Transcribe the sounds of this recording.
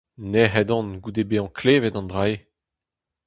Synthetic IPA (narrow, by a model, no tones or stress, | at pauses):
neɦɛdɔ̃nɡud̪ebeɑ̃kʰleːvet̪ɑ̃nd̪ʁae